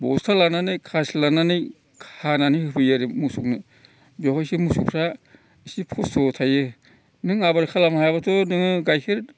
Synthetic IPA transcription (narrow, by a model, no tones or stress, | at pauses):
bɔ̰stʰalananɯjkʰaslananɯj | kʰananɯjhɯpʰɯjaɾɯmusuk̚ni | bjawkajsimusukʰɾa | isipʰɔstʰɔtʰajɯ | nɯŋabaɾkʰalamhabatʰɔnɯŋɯɡajkʰɯɾ